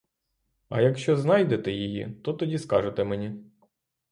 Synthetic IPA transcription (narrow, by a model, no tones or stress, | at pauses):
ɐ̰jɐkʃt͡ʃɔznɑjd̪et̪ɛjijḭt̪ɔt̪ɔdʲiskɑʒet̪ɛmenʲi